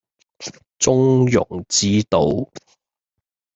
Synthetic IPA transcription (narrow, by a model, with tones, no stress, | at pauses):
t͡sʊ˥ŋjʊ̰˨˩ŋt͡siː˥t̪o˨w